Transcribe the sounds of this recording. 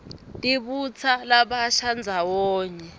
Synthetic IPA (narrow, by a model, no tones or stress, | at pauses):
tʼiɓut͡sʰalaɓaʃand͡zʱawɔːɲɛ